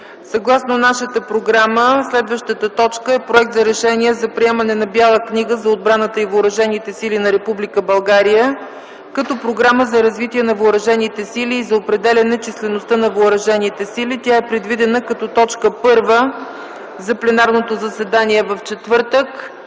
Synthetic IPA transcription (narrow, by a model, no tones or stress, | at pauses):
sɐɡlˠasnonaʃət̪əpɾoɡɾaməslɛd̪vəʃt̪ət̪ət̪ɔt͡ʃkəɛpɾoɛk̚t̪zɐɾɛʃɛniɛzɐpɾiɛmənɛnɐbjalˠəkniɡəzɐod̪̚bɾanət̪əivːɾɐʒɛnit̪ɛsilinɐɾɛpublʲikəbɐlˠɡaɾijə | kɐt̪ɔpɾoɡɾaməzɐɾɐzvit̪iɛnɐvəːɾɐʒɛnit̪ɛsiliːzɐopɾɛd̪ɛlʲɐnɛt͡ʃislɛnost̪ənɐvəːɾɐʒɛnit̪ɛsilit̪ʲaɛpɾɛd̪vid̪ɛnəkɐt̪ɔt̪ɔt͡ʃkəpɤɾvə | zɐplɛnaɾnot̪ozəsɛd̪aniɛvɐft͡ʃɛt̪vɤɾt̪ək